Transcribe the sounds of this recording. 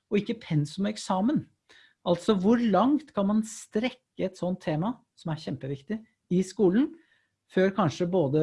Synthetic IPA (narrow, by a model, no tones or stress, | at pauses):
ɔɪkːəpʰɛnsʊmɛksɑːmən | ɑlt̪sɔʋʊɾɭɑŋt̪kʰɑnmɑnst̪ɾɛkːəɛt̪sɔnt̪ʰːeːmɑ | sɔmæɾçɛmpəʋɪkt̪ɪ | ɪskuːln̩ | føːɾkʰɑnʂəboːd̪ə